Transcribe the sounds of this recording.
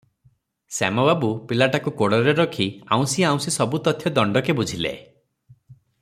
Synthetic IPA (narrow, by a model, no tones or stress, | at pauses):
sa̰mɔbabupilaʈakukoɽɔɾeɾɔkʰia̰w̃siaw̃sisɔbut̪ɔt̪ʰjɔd̪ɔɳɖɔkebud͡ʒʱilḛ